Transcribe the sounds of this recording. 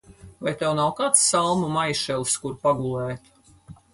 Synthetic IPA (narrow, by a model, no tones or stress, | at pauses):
vajt̪ɛwnawkat̪sːalˠmumajʃɛlˠskuɾpaɡulˠɛːt̪